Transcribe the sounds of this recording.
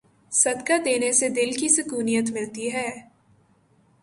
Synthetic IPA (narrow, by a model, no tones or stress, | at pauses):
sɐd̪kad̪eːnesed̪ɪlkisʊkuːnijət̪mɪlt̪iɦɛː